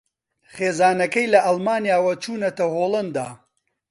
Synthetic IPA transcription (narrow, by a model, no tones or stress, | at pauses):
χeːzaːnɐkɐjlɐʔɐlˠmaːnjaːwɐt͡ʃuːnɐt̪ɐɦoːlˠɐnd̪a̰ː